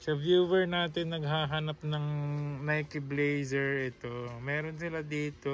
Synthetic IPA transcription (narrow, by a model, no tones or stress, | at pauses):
sɐvjuːvɛɹnaːt̪ɪnːɐɡɦaːɦanɐp̚nɐŋnɐjkɪblejsɛɹʔɛt̪o̞mɛːɾonsɪlad̪iːt̪o